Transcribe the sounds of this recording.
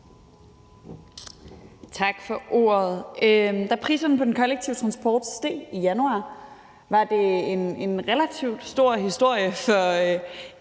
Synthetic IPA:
t͡sʰɑ̈ɡ̥fɒ̽ʔo̝̰ːɐð̩ˠød̥æpʰʁḭːsɐnəpʰɒ̽d̥enkʰɒ̽leɡ̥̚t͡sʰiʊ̰̥t͡sʰʁɑ̈nsb̥ɒ̰ːd̥sd̥e̝̰ːijænuɑ̈ː | ʋɑ̈d̥e̝ene̝nʁɛlæt͡sʰiʊd̥sd̥o̝ɐ̰ɦisd̥o̝ɐ̰jəfɒ̽

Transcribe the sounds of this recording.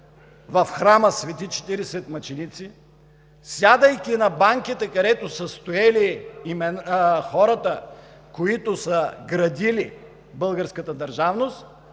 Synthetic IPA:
vɐfxɾaməsvɛt̪it͡ʃɛ̥t̪iɾɛsɛt̪mɐt͡ʃinit̪si | sʲjad̪əjkʲinɐbaŋkit̪ɛkɐd̪ɛt̪ʊsəst̪oɛliimɛnxɔɾɐt̪ə | koit̪ʊsəɡɾɐd̪ili | bɤlˠɡəɾskət̪əd̪ɐɾʒavnost̪

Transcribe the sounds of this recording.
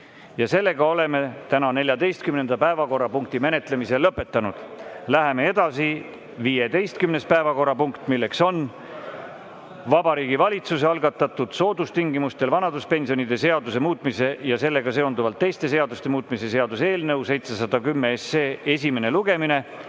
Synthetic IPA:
jɑse̞lːe̞ɡ̥ɑo̞le̞me̞t̪ænɑne̞lʲjɑd̪e̞jst̪kymnend̪ɑpæevɑko̞rːɑpuŋk̚t̪ime̞ne̞t̪lemise̞lːɤpːˑe̞t̪ːˑɑnud̪̥læɦeme̞e̞d̪̥ɑsi | viːjed̪e̞jst̪̚kymne̞spæevɑko̞rːɑpuŋkt̪milːe̞kso̞n | vɑbɑɾiːɡivɑlʲit̪suseɑlɡɑt̪ˑːɑt̪ːˑud̪̥so̞ːd̪ust̪iŋɡimust̪e̞lvɑnɑd̪uspe̞nsionid̪̥e̞se̞ɑd̪use̞muːt̪ːˑmise̞jɑse̞lːe̞ɡ̥ɑse̞o̞nd̪uvɑlt̪ːe̞jst̪e̞se̞ɑd̪ust̪e̞muːt̪ːˑmise̞se̞ɑd̪use̞ːlnɤwse̞jt̪se̞sɑd̪̥ɑkymːeesːeːesʲime̞ne̞luɡ̥e̞mine̞

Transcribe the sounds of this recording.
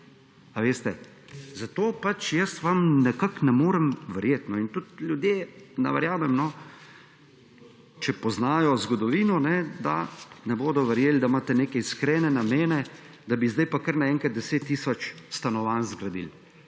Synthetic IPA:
aʋeːst̪ɛ | zat̪oːpat͡ʃjəsʋamnɛkaknɛmoːɾɛmʋɛɾjeːt̪nɔint̪ut̪lʲjud̪jeːna̰ʋɛɾjaːmɛmnɔ | t͡ʃɛpɔznaːjɔzɡɔd̪ɔʋiːnɔnɛd̪a̰nɛboːd̪ɔʋɛɾjeːld̪amaːt̪ɛneːkɛiskɾeːnɛnameːnɛ | d̪abizd̪ajpakəɾnaɛːŋkat̪̚d̪ɛseːt̪ːiːsɔt͡ʃst̪anɔʋanzɡɾad̪ḭːl

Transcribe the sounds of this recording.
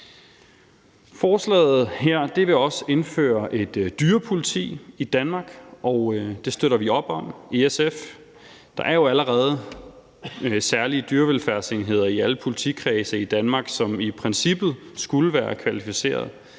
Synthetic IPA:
fɒːslɛ̰ːð̞̩ˠhæɐ̰d̥e̝ʋe̝ɒ̽se̝nfø̰ːɐʔe̝d̥d̥yːɐpʰo̝lit͡sʰḭːid̥ænmɑ̈ːɡ̥ʔɒ̽ʊd̥e̝sd̥øɾɐʋiɒ̽b̥ɒ̽meesef | d̥ɑ̈ʔæɐjo̝æləʁɛːð̞̩ˠ | sæɐliəd̥yːɐʋelfæɐseŋɦe̝ð̞ˠɐiæləpʰo̝lit͡sʰḭkʰʁɛːsɐid̥ænmɑ̈ːɡ̥sɒ̽mipʰʁɛnsib̥ð̩ˠ | sɡ̥uləʋæːɐkʰʋælifise̝̰ːɐð̩ˠ

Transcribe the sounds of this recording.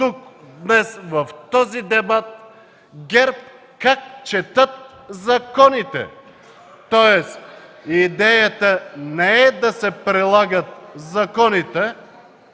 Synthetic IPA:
t̪uk | d̪nɛsvɐft̪ɔzid̪ɛbat̪̚ | ɡʲɛɾp̚ | kak̚t͡ʃɛt̪ət̪̚ | zɐkɔnit̪ɛ̰ | t̪ɔɛs | id̪ɛjət̪ənɛɛd̪ɐsɛpɾɛlˠaɡət̪̚zɐkɔnit̪ɛ

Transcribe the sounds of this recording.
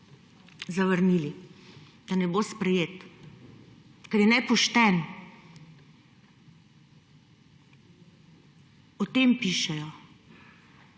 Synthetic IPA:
zaʋəɾnili | d̪̥anɛboːspɾɛjeːt̪ | kɛɾjɛnɛpɔʃt̪ɛn | ɔt̪empiʃɛjɔ

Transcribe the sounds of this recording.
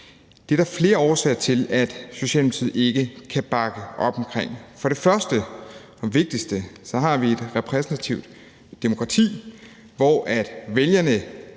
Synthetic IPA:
d̥e̝ɾ̥ɑfle̝ːɐɒːsɛ̰ːɐt͡sʰe̝læd̥so̝ɕɛ̰lmt͡sʰið̰ˠe̝ɡ̥əkʰæb̥ɑ̈ɡ̥əʔɒ̽b̥ɒ̽mkʰʁeŋ̰fɒ̽ɾ̥e̝fɶɐsd̥ə | ɒ̽ʋe̝ɡ̥̚d̥isd̥əsɒ̽ɦɑ̈ʋie̝d̥ʁɛpʰʁɛsn̩t͡sʰæt͡sʰiʊd̥ː | emo̝kʰʁɑ̈t͡sʰḭː | ʋɒʔæd̥ʋeljɐnə

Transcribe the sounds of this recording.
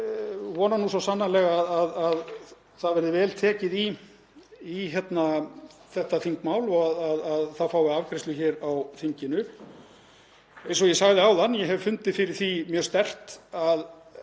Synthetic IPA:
vɔːnanusawsanːalɛɣaðaðað | θaðvɛɾðɪvɛːlt̪ʰɛːcɪðiː | ɦɛt̪na | θɛht̪aθiŋkmaːwlɔɣaðaðaðθaðfaːwvɪðavkɾɪst̪ʏçɛːɾawθiɲcɪnʏ | ejnsɔjɛsaɣðɪawðanːjɛɦɛvfʏnt̪ɪðfɪɾɪɾ̥θimjœːɾst̪ɛr̥t̪að

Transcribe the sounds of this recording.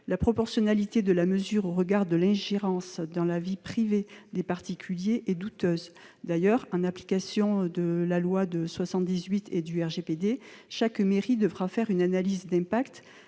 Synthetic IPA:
lapχɔpɔʁsjɔnalit̪ed̪əlaməzyʁoʁəɡaʁd̪əlɛ̃ʒeʁɑ̃sd̪ɑ̃lavipχived̪epaʁt̪ikʲʰyljeʔɛd̪ut̪øːz | d̪ajœʁɑ̃naplikasjɔ̃d̪əlalwad̪əswasɑ̃t̪̚d̪izɥit̪ed̪yɛʁʒeped̪eʃakmeʁid̪əvʁafɛʁynanalizd̪ɛ̃pakt̪

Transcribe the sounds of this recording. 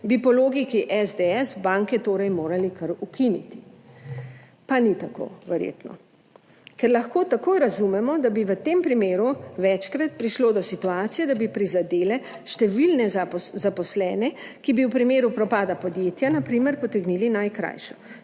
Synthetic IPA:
bipɔloːɡikiʔɛzd̪eɛsbaŋkɛt̪oːɾɛjmoːɾalikɐɾukinḭt̪i̥ | panit̪ako̰ʋɛɾjḛːt̪nɔ̰ | kɛɾlaxkoːt̪akoːjɾazumɛmɔd̪abiʋət̪eːmpɾimeːɾuʋɛt͡ʃkɾat̪pɾiʃloːd̪ɔsit̪uaːt̪sijɛd̪abipɾizad̪eːlɛ | ʃt̪ɛʋilnɛzzapɔslɛːnɛ | kibiwpɾimeːɾupɾɔpaːd̪apɔd̪jeːt̪janapɾiməɾpɔt̪ɛɡniːlinajkɾa̰jʃɔ̥

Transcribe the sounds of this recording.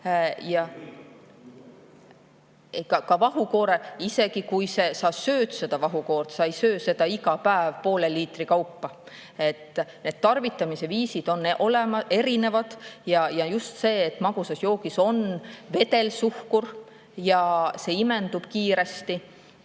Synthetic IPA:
jɑ | kɑkɑvɑɦuko̞ːɾelise̞ɡ̥ikujse̞sɑsø̞ːd̪̥se̞d̪̥ɑvɑɦuko̞ːrt̪sɑjsø̞ːse̞d̪̥ɑiɡɑpæevpo̞ːle̞liːt̪rikɑwpːɑ | e̞t̪ːˑne̞d̪̥̚t̪ɑrvit̪ːˑɑmise̞viːsid̪̥o̞nːolemɑe̞ɾine̞vɑd̪̥jɑjɑjust̪se̞ːt̪ːˑmɑɡ̥usɑsjo̞ːɡ̥iso̞nve̞d̪e̞lsuhkur | jɑse̞ːime̞nd̪ub̥kiːɾe̞st̪i

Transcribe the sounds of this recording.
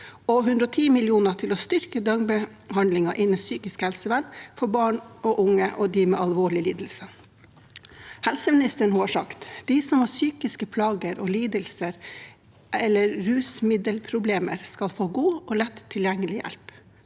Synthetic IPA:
ɔɦʉnd̪ɾɔt̪ʰiːmɪljuːnəʈ̪ʰɪloːst̪ʏɾkəd̪œŋbə | hɑnd̪lɪŋɑʔɪnːəsyːkɪskhɛlsəʋæɳfɔɾbɑːɳʔoːʔʊŋəʔɔːd̪imeːɑlʋoːɭɪliːd̪əlsə | hɛlsəmɪnɪst̪əɳhuɑʂɑkt̪d̪̥iːsɔmhɑːsyːkɪskəpʰlɑːɡəɾɔːliːd̪əlsəɾ | ɛlːəɾɾʉːsmɪd̪əlpʰɾʊbleːmə̰ɾskɑlfoːɡuːoːlɛt̪ʰːɪljɛŋːəlɪjɛ̰lp

